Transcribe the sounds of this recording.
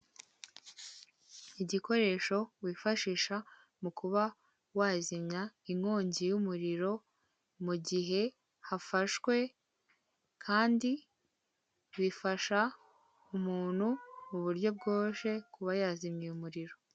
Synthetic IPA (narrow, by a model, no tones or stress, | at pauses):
iɟiko̞ɾe̞ːʃo̞wifaʃiːʃa | mukʰuβa | waːzimɲaiŋho̞ːɲɟijumuɾiɾo̞ | muɟiɦe̞ | hafaʃwe̞ | kʰaːndi | βifaʃa | umuːn̥humuβuɾɟo̞b̚ɡoːʃe̞kuβajaːzimɲiumuɾiɾo̞